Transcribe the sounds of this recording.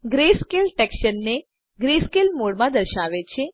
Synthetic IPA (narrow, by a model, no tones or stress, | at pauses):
ɡɾeskelʈɛkʃənːe | ɡɾeskelmoɽmãd̪əɾʃaʋet͡ʃʰe